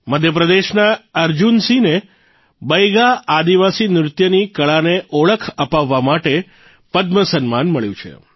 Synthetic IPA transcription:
məd̪ʱjəpɾəd̪eʃnaəɾd͡ʒunsine | bəjɡaad̪iʋasinɾʊt̪jənikəɭaneʔoɭəkʰəpaʋːamaʈe | pəd̪məsənmanməɭjũt͡ʃʰḛ

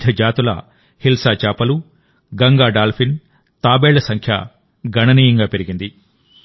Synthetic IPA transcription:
d̪ʱɐd͡ʒaːt̪ulɐ̰ | hilsaːt͡ʃaːpɐlu | ɡɐŋɡaːɖaːlpʰin | t̪aːbeːɭɐsɐŋkʰjɐ̰ | ɡʱɐɳɐniːjɐŋɡaːpe̞ɾiɡind̪i

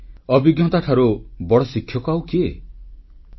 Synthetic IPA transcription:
ɔbiɡjɔt̪aʈʰaɾubɔɽɔsikʰjɔkɔawkie

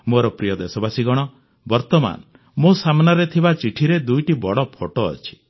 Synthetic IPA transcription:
moɾɔpɾijɔd̪esɔbasiɡɔɽ̃ɔ | bɔɾt̪ɔma̰n | mosamnaɾet̪ʰibat͡ʃiʈʰiɾed̪ujʈibɔɽɔpʰoʈɔ̰ːt͡ʃʰi̥

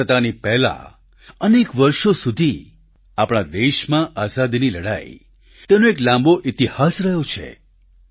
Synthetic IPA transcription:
ət̪anipɛɦla̰ | ənekʋəɾʃosud̪ʱi | apɽ̃ad̪eʃmãʔazad̪iniləɽa̰j | t̪enoeklãmboʔit̪ihasɾəɦjot͡ʃʰḛ

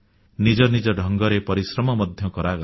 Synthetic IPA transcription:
nid͡ʒɔnid͡ʒɔɖʱɔŋɡɔɾepɔɾisɾɔmɔmɔd̪ʱjɔkɔɾaɡ

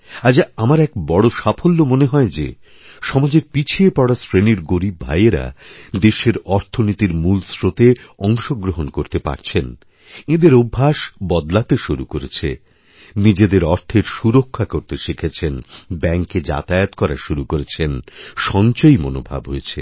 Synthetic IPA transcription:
ad͡ʑaamaɾɛkbɔɽoʃafʰolːomoneɦɔed͡ʑe | ʃɔmad͡ʑeɾpit͡ɕʰiepɔɽasɾeniɾɡoɾibʱːa̰jeɾa̰d̪eʃeɾɔɾt̪ʰonit̪iɾmulsɾot̪eɔŋʃoɡɾoɦonkoɾt̪epa̰ɾt͡ɕʰen | ed̪eɾobʱːaʃbɔd̪lat̪eʃuɾukoɾet͡ɕʰe | nid͡ʑed̪eɾɔɾt̪ʰeɾʃuɾokʰːakoɾt̪eʃikʰet͡ɕʰenbɛŋked͡ʑa̰t̪aeot̪kɔɾaʃuɾukoɾet͡ɕʰenʃɔnt͡ɕojmo̰no̰bʱa̰bɦojet͡ɕʰḛ

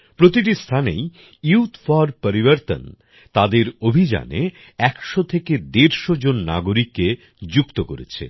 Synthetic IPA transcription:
pɾot̪iʈ̬ist̪ʰanḛj | iwt̪ʰfɔɾpəɾibəɾt̪ə̰n | t̪ad̪eɾobʱid͡ʑa̰ne | ɛkʃot̪ʰeked̪eɾʃod͡ʑonːa̰ɡoɾikːe | d͡ʑukt̪okoɾḛt͡ɕʰḛ

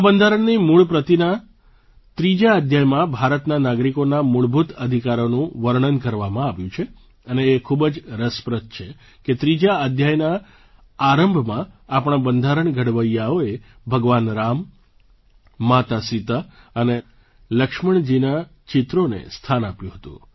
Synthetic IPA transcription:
bənd̪ʱaɾəɳnimuɭpɾət̪ina | t̪ɾid͡ʒaəd̪ʱjajmãbʱaɾət̪nanaɡɾikonamuɭbʱut̪əd̪ʱikaɾonũʋəɾɳənkəɾʋamãaʋjũt͡ʃʰe | əneːkʰubd͡ʒɾəspɾət̪̚t͡ʃʰe | ket̪ɾid͡ʒaəd̪ʱjajnaː | ɾəmbʱmãapɽ̃ãbənd̪ʱaɾəɳɡʱəɽʋəjːaoe | bʱəɡʋanɾam | at̪asit̪ə | əne | ləkʂməɳd͡ʒina | t͡ʃɪt̪ɾonḛst̪ʰanapjũɦət̪ṵ̃

